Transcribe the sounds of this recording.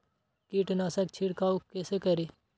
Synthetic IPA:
kiːʈnaːsɛkt͡ʃʰiɽkaːukeːseːkəɾiː

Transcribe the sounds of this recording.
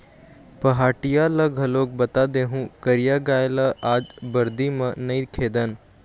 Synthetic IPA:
pɐɦaːʈijalɐɡʱɐloːk̚bɐt̪ad̪eːɦũkəɾijaɡaːjlaʔaːd͡ʒbɐɾd̪imɐ̃nɐikʰeːd̪ən

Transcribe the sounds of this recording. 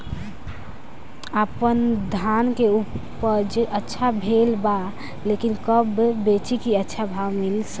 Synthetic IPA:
əpənd̪ʱankeupː | əɾd͡ʒʔətːʃʰabʱelba | lekinkəbbet͡ʃikiətːʃʰabʱawmilsə̥k

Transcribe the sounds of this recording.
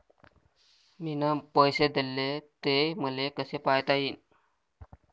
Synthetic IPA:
minəpəjsed̪elːet̪eməlekəsepajt̪ajin

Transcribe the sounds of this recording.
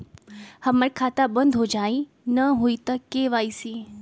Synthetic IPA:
həməɾkʰaːt̪abə̃nd̪ʱɦod͡ʒaːĩ | nɐɦuit̪ɐkeʋaːisiː

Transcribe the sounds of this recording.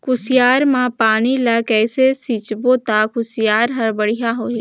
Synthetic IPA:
kʊsɪjaːɾmãpaːnilɐkɛːsesit͡ʃbot̪akʊsɪjaːɾɦɐɾbɐɽijaɦoːi

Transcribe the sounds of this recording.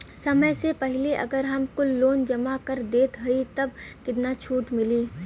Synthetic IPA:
sɐməjsepɐɦɪleʔɐ̰ɡəɾɦɐmkʊloːnd͡ʒɐmakɐɾd̪eːt̪ɦoit̪ɐbkɪt̪nat͡ʃʰuːʈmɪliː

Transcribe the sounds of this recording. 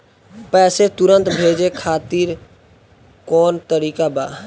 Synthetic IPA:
pɛːset̪ʊɾə̃nt̪bʱeːd͡ʒekʰaːt̪iɾ | kɔːnt̪əɾiːkabaː

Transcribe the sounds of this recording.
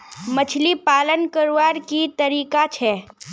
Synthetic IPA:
mət͡ʃʰlipaːlənkəɾaːɾkit̪əɾiːkat͡ʃʰɛː

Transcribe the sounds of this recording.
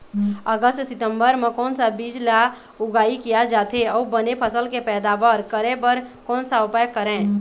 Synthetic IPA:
əɡəst̪sit̪əmbəɾmekɔːnsabid͡ʒla | uɡaikijad͡ʒat̪ʰeɔubənepʰəsəlkepɛd̪abəɾkəɾebəɾkoːnsaupajəkːəɾɛ̃

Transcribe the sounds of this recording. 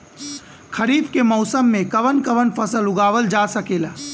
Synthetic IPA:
kʰəɾiːbkemɔʊsəmːẽkəʋənkəʋənpʰəsəlʊɡaːʋəld͡ʒasəkeːla

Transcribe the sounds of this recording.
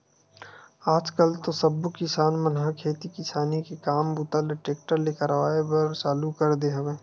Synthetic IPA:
aːd͡ʒkəlt̪osɐbukɪsaːnmənɦakʰeːt̪ikɪsaːnikekaːmbut̪alɖɪʈeːk̚ʈəɾlekəɾʋaːepɐɾt͡ʃaːlukɐɾd̪eɦɐʋeː

